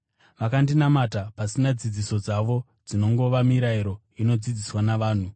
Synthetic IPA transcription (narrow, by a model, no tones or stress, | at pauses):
ʋakandinamatapasinad͡zid͡ziso̞d͡zaʋo̞ | d͡zino̞ŋɡo̞ʋamiɾaiɾo̞ | ino̞d͡zid͡ziswanaʋaːn̤u